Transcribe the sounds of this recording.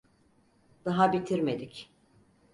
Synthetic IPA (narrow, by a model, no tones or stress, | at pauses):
d̪̥aɦabit̪ʰiɾme̞d̪ic